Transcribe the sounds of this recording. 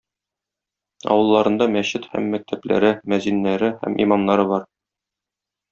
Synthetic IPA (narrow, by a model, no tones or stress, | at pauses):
ɒ̰wɤ̆lˠːɑɾɤ̆nd̪ɑmæɕɘt̪hæ̰mːæk̚t̪ʰæplæ̰ɾɘmæzinːæɾɘhæ̰mḭmɑnnɑɾɤbɒɾ